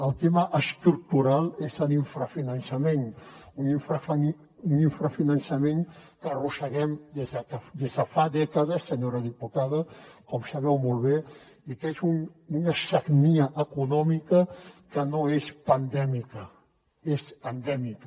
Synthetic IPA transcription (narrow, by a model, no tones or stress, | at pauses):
əlˠt̪eməʔəst̪ɾuk̚t̪uɾalˠezəliɱfɾəfinənsəmenuniɱfɾəf | uniɱfɾəfinənsəmẽŋkərusəɣɛmd̪ezəkəd̪ezðəfad̪ɛkəðəsːəɲoɾəðiput̪að̞əkɔmsɐβɛwmolˠβe | ik̪ezun | unəsəɣniəʔəkunɔmikəkənoespənd̪ɛmikə | esənd̪ɛmik